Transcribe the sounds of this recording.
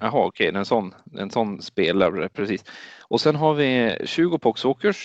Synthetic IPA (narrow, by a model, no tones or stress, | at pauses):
ɑɦɑːɔkʰɛɪd̪ɛɛnsɔnːd̪ɛ̰ɛnsɔnːspeːlaɾɛpʰɾɛsiːsʔɔsɛnɦaɾvɪɕʉ̟ːɡʊpʰɔksoːkəʂ